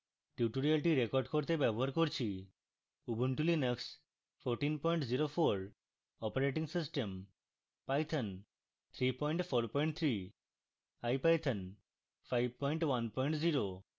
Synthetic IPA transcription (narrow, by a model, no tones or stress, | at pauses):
ʈjuʈoɾialʈiɾekɔɾɖkoɾt̪ebɛbɔɦaɾkoɾt͡ʃʰi | ubuɳʈulinəks | pʰoɾʈinpɔjɳʈziɾofʰoɾ | ɔpaɾeʈiŋsisʈem | pajt̪ʰən | t̪ʰɾipɔjɳʈpʰoɾpɔjɳʈ̚t̪ʰɾi | ajpajt̪ʰən | pʰajb̚pɔjɳʈwanpɔjɳʈziɾo